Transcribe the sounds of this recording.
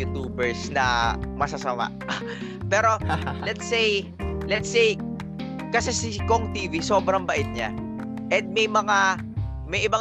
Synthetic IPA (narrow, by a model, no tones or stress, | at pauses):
ut̪uːbɛɹsnɐmɐsɐsɐma̰ʔ | pɛːɾo̞lɛt̪sej | lɛt̪sej | kɐsɛsɪkoŋt̪iːviso̞ːbɾɐŋbɐʔɪt̪̚ɲa̰ | ʔɛnd̪̚mɐjmɐŋa | mɐjʔɪba